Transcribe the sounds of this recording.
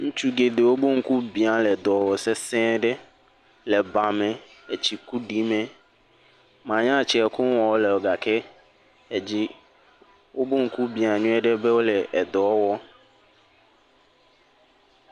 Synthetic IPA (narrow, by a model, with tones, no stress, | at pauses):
ŋũ˦t͡ʃu˦ɡe˨d̪e˨wo˦bo˦ŋ̩˦ku˦bi˨a˨lɛ˨d̪ɔ˨wɔ˨sɛ˦sɛ̃˦ɖɛ˦ | lɛ˨ba˨mɛ̃˨ | e˨t͡ɕi˨ku˦ɖi˦mɛ̃˨ | mã˨ɲã˦˨t͡ɕi˨ɛ˨ku˦wɔ˨wo˦lɛ˨wo˨ɡa˨ke˦ | e˨d͡ʑi˦ | wo˦bo˦ŋ̩˦ku˦bĩ˨a˨ɲũ˦ɛ˦ɖɛ˦be˦wo˦lɛ˨ʔɛ˨d̪ɔ˨ɔ˦wɔ˦